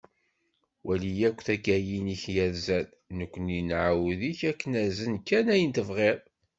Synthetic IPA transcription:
wʔælijækʷːθæɡæjiniçjæðzæl | nəkʷːəninʕawðiçækːənæzənkːænæjənt̪əvʁeðˤ

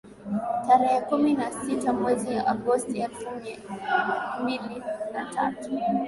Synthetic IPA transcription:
taɾɛhɛkuminasitamwɛzijaʔaɡɔstiɛlfum | mbilinatʰa̰tu̥

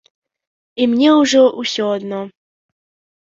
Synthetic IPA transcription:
imnʲɛʊʐɔʔʊsʲɔɐd̪nɔ

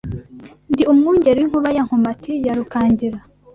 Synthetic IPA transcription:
ndiumŋuːɲɟeɾiwiŋ̥huβajaŋ̥humatʰijaɾukaːɲɟiɾa

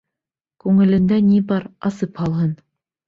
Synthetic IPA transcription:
kʉŋɘ̆lɘ̆nd̪ænibɑɾɑsɤphɑlˠɦɤn

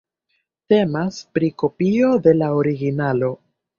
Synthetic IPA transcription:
te̞maspɾiko̞pio̞de̞laoɾiɡinalo̞

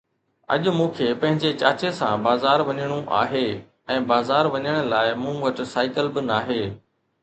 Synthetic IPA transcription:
ɐ̰ʄʊmũːkʰepɐ̃ɦɪ̃ɲd͡ʑet͡ɕaːt͡ɕesã̰ːbaːzaːɾʋɐɲəɽ̃ũʔa̰ːɦeː | ɛ̃ːbaːzaːɾʋɐɲəɽ̃laːɪmũːʋɐʈsaːɪkəlbɪnaːɦeː

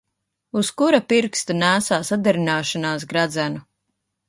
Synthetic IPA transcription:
uskuɾapiɾkst̪anæːsaːsad̪aɾinaːʃanaːs̬ɡɾad̪zænu

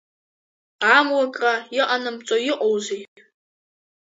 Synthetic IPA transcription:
amwakʼraiʔʼanɨmt͡sʼojɪqʼowze

